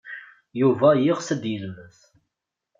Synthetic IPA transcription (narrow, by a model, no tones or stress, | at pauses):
juvæjɪʁsəd̪jəlməθ